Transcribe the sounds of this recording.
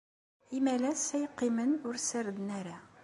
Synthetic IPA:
imælæsæjqimɘnuɾsæɾd̪næɾæ

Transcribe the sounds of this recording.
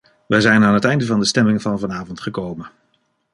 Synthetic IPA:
ʋəjzɛjnaːnɦətɛjndəvɑndəstɛmɪŋvɑnvɑnaːvɔntχəkowmən

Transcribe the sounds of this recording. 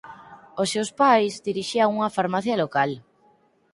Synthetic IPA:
osewspajzdiɾiʃiaŋuŋɐfaɾmaθjɐlokal

